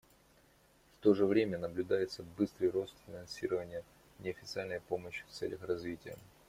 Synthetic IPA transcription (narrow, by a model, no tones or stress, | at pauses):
ft̪o̞ʐɨvɾʲemʲənəblʲʉd̪ajɪt̪səbɨst̪ɾɨjro̞st̪fʲɪnɐnsʲiɾəvənʲɪjə | nʲɪɐfʲɪt̪sɨalʲnəjpoməɕːɪ̥ft̪sɛ̰lʲəxrɐzvʲitʲɪjə̰